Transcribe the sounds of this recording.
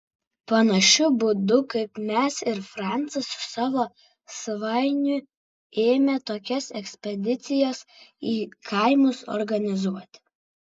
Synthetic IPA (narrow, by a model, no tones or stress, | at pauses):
pɐnɐʃʲʊbʊd̪ʊkɐɪpmʲɛsɪɾfɾɑˑnt̪sɐsʊ̥sɑːʋoː | sɐʋɐɪnʲʊ | eːmʲɛt̪oːkʲɛsɛksʲpʲɛd̪ʲɪt̪sʲɪjɛsiːkʰɐɪmʊsɔ̰ɾɡɐnʲɪzuɔt̪ʲ